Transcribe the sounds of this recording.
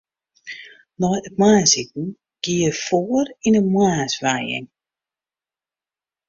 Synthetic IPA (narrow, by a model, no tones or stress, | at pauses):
nɔjət̚maːsitn̩ | ɡ̥iəfoərinəmwaːsʋajɪ̰ŋ